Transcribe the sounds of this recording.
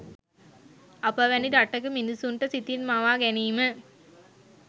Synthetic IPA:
ɐpəʋæniɾaʈːəkəminusunʈəsit̪inmaʋaːɡæniːmə

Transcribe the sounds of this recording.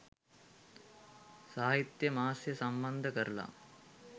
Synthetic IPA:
saːɦit̪jɐmaːsjɐsɐmbɐnd̪ʱɐkɐɾla̰

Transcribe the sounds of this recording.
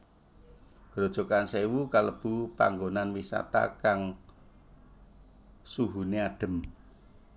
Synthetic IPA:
ɡ̥ɾod̥ʒ̥ɔ̤kansewukaləb̥upa̰ŋɡonanwisa̰t̪a̰kaŋ | suɦuneaɖ̪̥ə̤m

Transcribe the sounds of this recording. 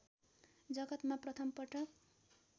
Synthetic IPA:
d͡zʌɡʌt̪maprʌt̪ʰʌmpʌʈːʌk

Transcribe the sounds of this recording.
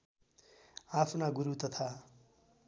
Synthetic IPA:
apʰnaɡuɾut̪ʌt̪ʰa

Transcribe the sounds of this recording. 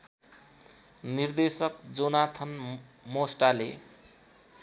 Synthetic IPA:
nird̪esʌkd͡zonat̪ʰʌn | mosʈale

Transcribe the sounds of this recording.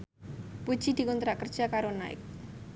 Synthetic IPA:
pu̥ʒ̥id̪̥i̤kɔnt̪ɾakərd̥ʒ̥akaɾonaɪ̰k̚

